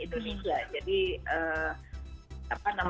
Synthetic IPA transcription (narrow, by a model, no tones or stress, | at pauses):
it̪uɦid͡ʒad͡ʒadiəː | apanam